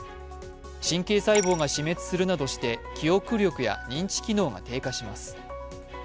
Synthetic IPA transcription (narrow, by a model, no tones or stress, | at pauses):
ɕĩŋke̞ːsaibo̞ːɡaɕime̞t͡sɨ̥sɨɾɯ̟nad̪o̞ɕi̥t̪e̞kʲijo̞kɯ̟ɾʲjo̞kɯ̟ja̰ɲ̟ĩɲ̟t͡ɕi̥kʲino̞ːɡa̰t̪e̞ːkaɕimasɨ̥